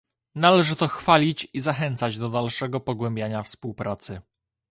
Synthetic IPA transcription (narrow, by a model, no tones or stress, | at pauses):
nalɛʐɘt̪ɔxfalʲit͡ɕizaxɛnt̪sad͡ʑd̪ɔd̪alʂɛɡɔpɔɡwɛmbʲjaɲafspuwpɾat̪sɘ